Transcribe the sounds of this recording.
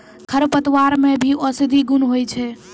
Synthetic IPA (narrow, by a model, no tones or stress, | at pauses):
kʰəɾpət̪waɾmebʱiʔɔsid̪ʱiɡunɦojt͡ʃʰɛ